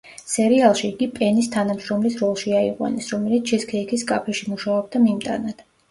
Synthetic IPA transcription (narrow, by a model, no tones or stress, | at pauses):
sɛɾialˠʃiːɡipʼɛnist̪ʰanamʃɾɔmlisɾɔlˠʃiaiqʼwa̰nɛsɾɔmɛlit̪ʰt͡ʃʰɛskʰɛikʰiskʼapʰɛʃimuʃaɔb̚d̪amimt̪ʼa̰nat̪ʰ